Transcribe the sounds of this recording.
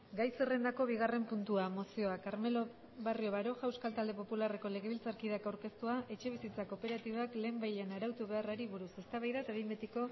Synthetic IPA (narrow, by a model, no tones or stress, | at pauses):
ɡajsere̞nd̪ako̞βiɣ̞are̞mpunt̪uamo̞sio̞akaɾme̞lo | βario̞βaɾo̞ʝaewskalt̪ald̪e̞po̞pulare̞ko̞le̞ɣ̞e̞βilt͡saɾkiðakawɾke̞st̪uaʔe̞t͡ʃe̞β̞isit͡sako̞pe̞ɾat̪iβakle̞ːmbajʎanaɾawt̪uβe̞araɾiβuɾuse̞st̪aβajðat̪aβimbet̪iko̞